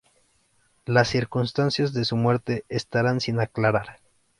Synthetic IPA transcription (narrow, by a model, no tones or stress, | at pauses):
lasːiɾkunst̪ansjazðe̞sumwe̞ɾt̪e̞est̪aɾansinaklaɾaɾ